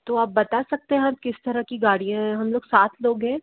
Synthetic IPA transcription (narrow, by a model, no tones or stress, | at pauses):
t̪oːaːp̚bɐt̪asɐk̚t̪eɦɛ̃ɦɐmkɪst̪ɐɾəkiɡaːɽijãɦɛɦɐmloːɡ̥saːt̪ʰloːɡɦɛ̃ː